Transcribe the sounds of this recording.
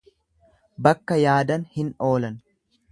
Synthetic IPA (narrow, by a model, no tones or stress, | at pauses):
bɐkːɐjaːd̪ɐnhɪno̞ːlɐn